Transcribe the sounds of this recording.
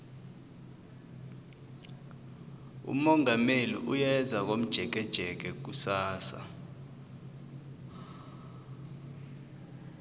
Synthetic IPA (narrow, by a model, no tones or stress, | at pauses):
ṵmɔŋamelḭʔujɛzʱak̬om̩d̥ʒ̥ʱɛk̬ɛd̥ʒ̥ʱɛk̬ɛk̬usaːsa̰